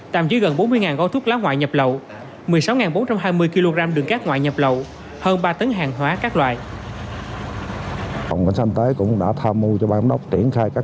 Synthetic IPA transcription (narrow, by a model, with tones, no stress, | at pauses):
t̪a̰ː˨˩mt͡ɕi˨˦ɣə˨˩nɓo˨˦nmɨ˧əjŋaː˨˩nɣɔ˧t̪ʰʊ˦˥k̚laː˨˦wŋwa̰ː˧˨jɲə˨˩p̚lə˨w | mɨ˨˩əjsa˨˦wŋaː˨˩nɓo˨˦nt͡ɕa˧mɦaː˧jmɨ˧əjki˧lo˧ɣaː˧mɗɨ˨˩əŋkaː˦˥k̚ŋwa̰ː˧˨jɲə˨˩p̚lə˨˩w | həː˧nɓaː˧t̪ə˨˦ŋɦaː˨˩ŋɦwaː˨˦kaː˦˥k̚lwaː˧˨j | ə̰˨˩wŋ͡mkə̰˨˧˦ŋsa˧nŋt̪əː˨˦jkʊ̰˧˥ŋ͡mɗa̰ː˧˥t̪ʰaː˧mːu˧t͡ɕɔ˧ɓaː˧ŋ͡mɗə˦˥wk͡p̚t͡ɕ̪i˧˩ənxaː˧jkaː˦˥